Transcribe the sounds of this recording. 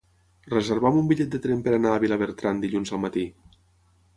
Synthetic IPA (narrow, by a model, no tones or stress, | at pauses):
rəzeɾβamumbiʎɛt̪̚d̪ət̪ɾempəɾanaːβilaβeɾt̪ɾand̪iʎunzəlˠmat̪i